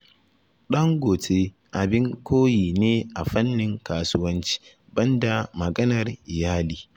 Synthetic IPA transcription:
ɗɐ˦ŋɡʷoː˨tʰeː˦ | ʔa˨bɪ˦ŋkʷʰoː˦jiː˨neː˦ʔa˨ɸɐ˦nːɪ˨ŋkaː˨suː˦wɐ˦nt͡ʃi̥ː˦ | bɐ˦nda˨mɐ˨ɡɐ˦nɐ˨rʔɪ˨jaː˦liː˨

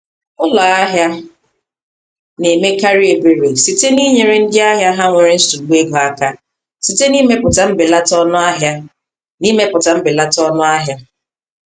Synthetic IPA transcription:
ʊ˦la˨a˦ɦja˦ | ne˨me˦ka˦ɾi˦e˨be˨ɾe˨si˨te˦ni˦ɲe˨ɾe˦n̩˦dɪ˦a˦ɦja˦ɦa˦ŋʷe˨ɾɪ˦n̩˦stu˨ɡ͡be˦ɡɔ˨a˦ka˦ | si˨te˦ni˦me˦pʊ˨ta˨m̩˦bɪ˨la˦tɔ˦nʊ˦a˦ɦja˦ | ni˦me˦pʊ˨ta˨m̩˦bɪ˨la˦tɔ˦nʊ˦a˦ɦja˦

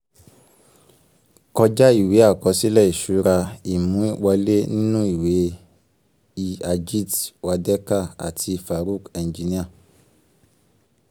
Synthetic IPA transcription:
kɔ˧d͡ʒa˦i˦˨we˨˦a˦˨kɔ˨˦si˦lɛ˦˨i˨ʃu˨˦ɾa˧i˨mũ˨˦i˦wa˧le˦nĩ˦nũ˦i˦˨we˨˦ | i˦˨a˧d͡ʒi˦˨twa˧dɛ˦ka˦˨a̰˨tʰi˧fa˨ɾu˦˨kɛ̃˨d͡ʒi˨˧nĩ˦a˦˨

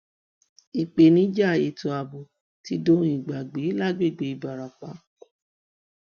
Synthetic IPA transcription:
i˨k͡pe˧nĩ˨˦d͡ʒa˦˨e˧to˧a˨bo˨ | ti˦do˦ĩ˨ɡ͡ba˨ɡ͡be˨˦la˦˨ɡ͡be˦˨ɡ͡be˨˧i˧˨ba˨ɾa˨k͡pa˨˦

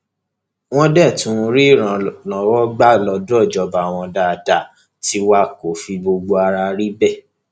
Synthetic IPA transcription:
w̃ɔ̃˦dɛ˦˨tũ˨˦˧ɾi˦i˦˨ɾ̃ã˨nɔ̃˨wɔ˦ɡ͡ba˦˨lɔ˧du˦ɔ˦˨d͡ʒɔ˧ba˨w̃ɔ̃˧da˨da˨ | ti˧˦wa˦˨ko˨˦fi˧bo˧ɡ͡bo˧a˧ɾa˧ɾi˦bɛ˦˨

